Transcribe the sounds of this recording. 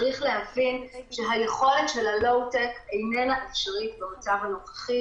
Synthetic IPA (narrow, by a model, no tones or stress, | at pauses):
ʁiχle̞ɦavinʃeɦajeχo̞le̞tʃelalo̞wtekejnenaʔefʃaʁitbeot͡savhanoχḁχi